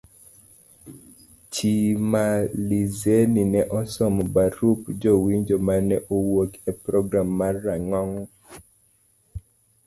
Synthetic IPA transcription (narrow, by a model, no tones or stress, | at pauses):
t͡ʃimalizeninɛʔɔsɔmɔbaɾupd͡ʒowiɲd͡ʒomanɛʔowokɛpɾɔɡɾamːarːaŋɔŋ